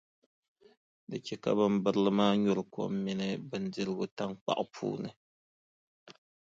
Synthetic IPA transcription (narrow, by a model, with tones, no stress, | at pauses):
dɨ˨t͡ʃɛ˦ka̰˦bɨ˦m˦bɨ˦ɾɨ˦lɨ˦maː˦ɲɔ˦ɾɨ˨ko̰˨˦mːɪ˦nɨ˦bɨ˨ndɨ˦ɾɨ˦ɡʊ˦ta˦ŋk͡pa̰˨ʔʊ˦pʰṵː˦nɨ˨